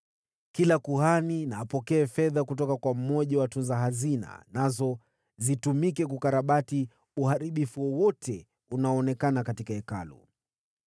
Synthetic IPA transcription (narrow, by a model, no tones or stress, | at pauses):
kilakuhaninaːpɔkɛːfɛðakutɔkakwam̩mɔʄawatunzaɦazina̰nazɔ | zitumikɛk̬ukaɾaɓati | uhaɾiɓifuwɔwɔtʰɛ | unaɔːnɛkanakatikaɛka̰lɔ̰